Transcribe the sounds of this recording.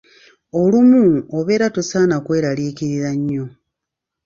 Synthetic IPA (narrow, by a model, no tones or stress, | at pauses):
olumuoβe̞ːɾatusaːnakwe̞ːɾaliːkiɾiɾaɲːo̞